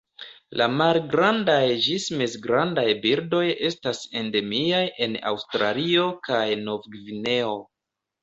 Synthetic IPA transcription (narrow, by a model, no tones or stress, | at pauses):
lamalɡɾandajd͡ʒismezɡɾandajbiɾdo̞je̞stase̞nde̞miajʔe̞na̰wstɾalio̞kajno̞vɡvine̞o̞